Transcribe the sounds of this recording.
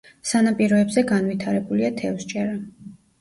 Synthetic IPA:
sanapʼiɾɔɛbzɛɡanvwit̪ʰaɾɛbuliat̪ʰɛvst͡ʃʼɛɾa

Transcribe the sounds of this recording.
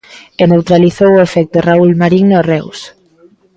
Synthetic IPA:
enewt̪ɾaliθowʊefɛk̚t̪oraulmaɾiŋnorɛws

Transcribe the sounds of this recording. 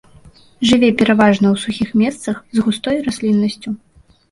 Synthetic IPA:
ʐɨvʲɛpʲɛɾavaʐnɐwsuxʲixmʲɛst̪sɐxzɣust̪ɔjɾasʲlʲinːɐsʲt͡sʲu

